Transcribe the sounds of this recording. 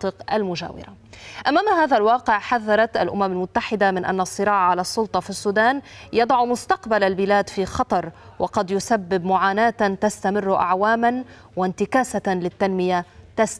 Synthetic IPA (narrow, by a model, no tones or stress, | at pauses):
t̪ˤɨqʔa̰lmʊʒa̰ːwɪ̰ɾa̰ʔamaːmaɦaːðalwɑːqɪʕħaðːɑɾˤɑt̪ʔalʔʊ̰mamalmʊt̪ːaħɪd̪amɪnʔa̰nːasˤːɨɾɑːʕʕalasˤːʊlt̪ˤɑfisːuːd̪aːnjɑd̪ˤɑʕmʊst̪ɑqbalalbɪlaːd̪fiːxɑt̪ˤɑɾˤwɑqɑd̪jʊsabːɪbmʊʕaːnaːt̪t̪ast̪amɪrːʔa̰ʕwaːman | want̪ɪkaːsalɪt̪ːanmɪjat̪as